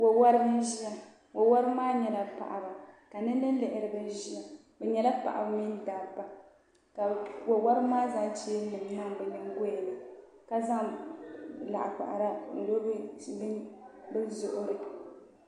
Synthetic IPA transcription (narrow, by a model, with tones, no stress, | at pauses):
wo˨wa˦ɾɨ˦bɨ˦n˦ʒi˦ja˦ | wo˨wa˦ɾɨ˦maː˦ɲɛ˨la˨pa̰˨ʔa̰˨ba˨ka˨nɨ˦n˦nɨ˦n˦lɛ˨ʔɪ˨ɾɨ˨bɨ˦n˦ʒi˦ja˨ | bɛ˨ɲɛ˨la˦pa̰˨ʔa̰˨bɨ˦mi˦n˦daː˨ba˨ | ka˨wo˨wa˦ɾɨ˦maː˦za˦t͡ʃi˦nɨ˨m˨na˦ŋ˦bɛ˨nɨ˦ŋ˦ɡo˦ja˨na˨ | ka˦za˦ŋ | la̰˨ʔa˨ka̰˨ʔa̰˨ɾa˦n̩˨do˦bbn˦bɨ˦zʊ˨ʔʊ˦ɾɨ˦